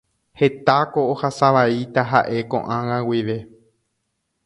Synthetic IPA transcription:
he̞t̪ako̞ːhasaʋait̪aɦa̰ʔe̞kõ̞̰ʔãŋãwiʋe̞

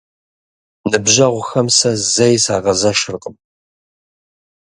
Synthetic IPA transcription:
nɨbʒɐʁʷʊxɐmsɐzɐjsa̰ːʁɐzɐʃɪrqʼəm

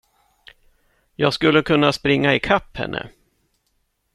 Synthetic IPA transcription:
jɑːɡskɵlːəkʰɵnːaspɾɪŋːaɪkʰapːhɛ̰nːʔə̰

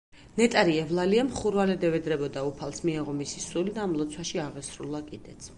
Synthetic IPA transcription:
nɛt̪ʼaɾiɛvlˠaliɛmχuɾvalɛd̪ɛvɛd̪ɾɛbɔd̪aupʰalˠsmiɛʁɔmisisulid̪aːmlˠɔt̪sʰwaʃiaʁɛsɾulˠakʼid̪ɛt̪sʰ

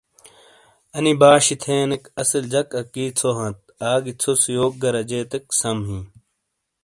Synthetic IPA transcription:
ɐnibaːɕit̪ʰeːnekɐsɐld͡ʑɐkɐkːiːt͡sʰoɦɐ̃t̪̚aːɡit͡sʰosjoːk̚ɡɐɾɐd͡ʑeːt̪eksɐmɦĩː

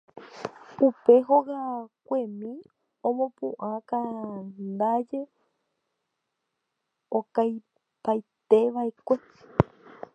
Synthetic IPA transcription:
upe̞ɦoɣakʷe̞mĩ | õmõpṵ̃ʔãkand̪ad͡ʒe̞ | okaj | pajt̪eʋaekʷe̞

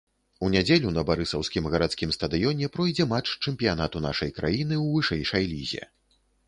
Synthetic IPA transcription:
unʲad͡zʲelʲunɐbaɾɨsɐwskʲimɣɐɾat̪sʲkʲimst̪ɐd̪ɨjɔnʲɛpɾɔjd͡zʲɛmat͡ʂt͡ʂɛmʲpʲijan̪at̪un̪a̰ʂɐjkɾa̰jinɨwvɨʂɛjʂɐjlʲizʲɛ̰

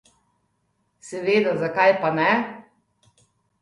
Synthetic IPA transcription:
sɛʋeːd̪azakajpanɛ

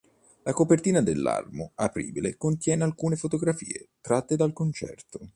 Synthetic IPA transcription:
lakopert̪iːnad̪elːa̰rmoapɾḭːbilekont̪jɛːnealkuːnefot̪oɡɾafḭːet̪ɾat̪ːed̪alkont͡ʃɛ̰rt̪o

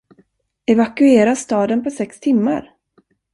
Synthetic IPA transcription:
ɛvakɵeːɾast̪ɑːd̪ənpʰɔsɛkst̪ʰɪmːa̰ɾ

